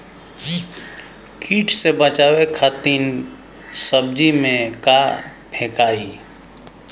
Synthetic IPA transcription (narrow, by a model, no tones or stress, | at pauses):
kʰiːʈʰsebət͡ʃaːwekʰat̪in | səb̚d͡ʒimẽkapʰekaːi